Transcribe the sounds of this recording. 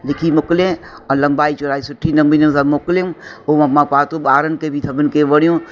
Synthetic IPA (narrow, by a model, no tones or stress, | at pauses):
lɪkʰimʊklẽ | ɔːlɐ̃ŋbaːit͡ʃʊɾaːisʊʈʰːinɐ̃ŋbinə̃sabmʊklũːoːmãmãpaːt̪oɓaːɾənɪ̆kebʱit̪ʰɐbənɪ̆keʋɐɽjũː